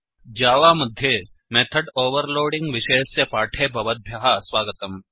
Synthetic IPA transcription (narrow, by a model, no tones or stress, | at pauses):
d͡ʒaːʋaːmɐd̪ʱje | meːt̪ʰəɖoːʋəɾloːɖɪ̃ŋɡʋɪʃeːssepaːʈʰeːbʱɐʋɐt̪̚bʱjɐɦasʋaːɡət̪ɐm